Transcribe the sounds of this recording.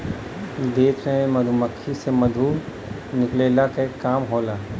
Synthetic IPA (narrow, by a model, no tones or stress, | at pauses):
d̪eːt̪eẽmɐd̪ʱuməkʰːisemɐd̪ʱuːɾ | nɪkleːlakekaːmɦoːlaː